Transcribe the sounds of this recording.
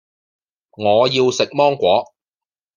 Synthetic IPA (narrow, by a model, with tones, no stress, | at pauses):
ŋɔː˨˧jiː˧wsɪ˨k̚mɔː˥ŋkʷɔː˨˥